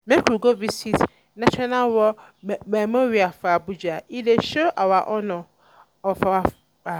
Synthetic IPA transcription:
mɛ̃kʰuɡovisit | nãt͡ʃʰᶣɔnãwɔ | mɛmoɾiafabud͡ʑaideʃoʔawaʔɔnʊ̃ | ɔfawa | a

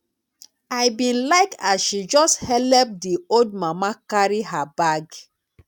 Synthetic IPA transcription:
aɪbĩnlaɪkasʃid͡ʒɔsthɛlɛp̚dioldmamakaɹihabaɡ

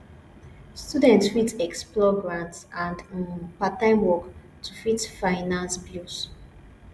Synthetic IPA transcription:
studɛ̃ntfitɛksplɔɡɹãntsãndpatãɪ̃mwɔk | tʰufitfaɪnãnsbjus

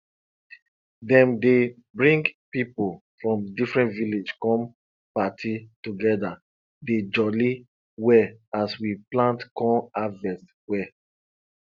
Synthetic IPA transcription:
dɛ̃mde | bɹĩŋɡpipofɹɔ̃mdifɹɛ̃ntviled͡ʒkɔ̃m | patʰituɡɛda | ded͡ʒɔli | wɛaswiplãntkɔ̃avɛst | wɛ

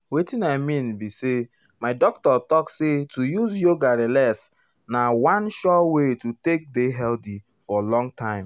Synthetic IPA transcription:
wetĩnaɪmĩnbise | maɪdɔk̚tɔtɔksetujuzjoɡaɹilɛs | nawãnʃɔwetutek̚deɦɛlti | fɔlɔ̃ŋtʰãɪ̃m

